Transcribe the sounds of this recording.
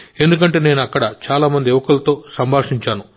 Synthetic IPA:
e̞nd̪uk̬ɐɳʈe̞ːne̞ːnuɐkːɐɽɐt͡ʃaːlaːmɐnd̪ieʋɐkulɐt̪o̞ːsɐmbʱaːʂiɲt͡ʃaːnu

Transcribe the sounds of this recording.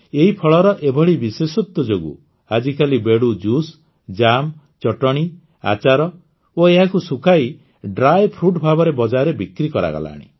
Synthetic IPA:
eɦipʰɔɭɔɾɔʔebʱɔɽibisesɔt̪ːɔd͡ʒoɡṵ | ad͡ʒikalibeɽud͡ʒus | d͡ʒam | t͡ʃɔʈɔɽ̃i | a̰t͡ʃaɾɔ | oeɦakusukʰaj | ɖɾajpʰɾuʈbʱabɔɾebɔd͡ʒaɾebikɾikɔɾa̰ɡɔ̰la̰ːɽ̃ḭ

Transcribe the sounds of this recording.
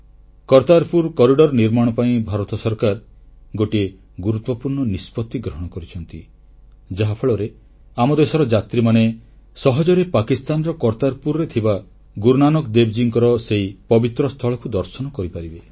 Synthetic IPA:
kɔɾt̪aɾpuɾkɔɾiɖɔɾniɾmaɽ̃ɔpaĩbʱaɾɔt̪ɔsɔɾkaɾ | ɡoʈie | ɡuɾut̪wɔpuɾɳɔnispɔt̪ːiɡɾɔɦɔɽ̃ɔkɔɾit͡ʃʰɔnt̪i | d͡ʒaɦapʰeɭɔɾe | amɔd̪esɔɾɔd͡ʒat̪ɾimane | sɔɦɔd͡ʒɔɾepakist̪anɔɾɔkɔɾt̪aɾpuɾɾet̪ʰiba | ɡuɾnanɔkd̪ebd͡ʒiŋkɔɾɔseipɔbit̪ɾɔst̪ʰɔɭɔkud̪ɔɾsɔnɔkɔɾipaɾibe

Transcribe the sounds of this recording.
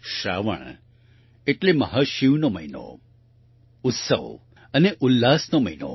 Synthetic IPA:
ʃɾa̰ʋə̰ɳ̃ | eʈlemə̰ɦaʃiʋnoməino̰ | ʊt̪sə̰ʋ | əneʔʊlːasnoməino̰

